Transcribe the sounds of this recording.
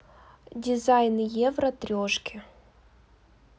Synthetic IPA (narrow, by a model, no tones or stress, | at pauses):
dʲɪzajnɨjɛvrɐt̪ɾʲoʂkʲɪ